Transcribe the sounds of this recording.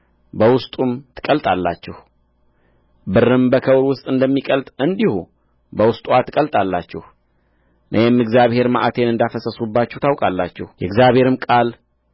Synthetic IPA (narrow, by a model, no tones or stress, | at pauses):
bəwʊst̪ʼumt̪ʰɨ̥kʼəlt̪ʼalːa̰t͡ʃːɛh | bɨrːɨmbəkʰəwɾwʊst̪ʼɨnd̪əmːikʼəlt̪ʼɨnd̪ihu | bəwʊst̪ʼuat̪ʰɨkʼəlt̪ʼalːat͡ʃːɛh | nʔəjɛmːɨɡzjaβhe̞ɾma̰ʔat̪ʰe̞nɨnd̪afəsəsubːat͡ʃːɛht̪ʰawkʼalːa̰t͡ʃːɛhjɛɡzjaβhe̞ɾɨmkʼal